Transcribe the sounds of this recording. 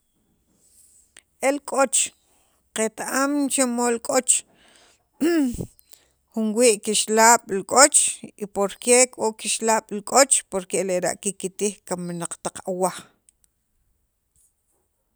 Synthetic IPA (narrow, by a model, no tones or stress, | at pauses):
ʔelkʼot͡ʃ | qet̪aʔamt͡ʃemolkʼot͡ʃ | χunwiːʔkiʃlaːɓ̥lkʼot͡ʃipoɾkekʼoʔkiʃlaːɓ̥lkʼot͡ʃpoɾkeleɾa̰ʔkikit̪ihkamnaq͡χt̪aqawaχ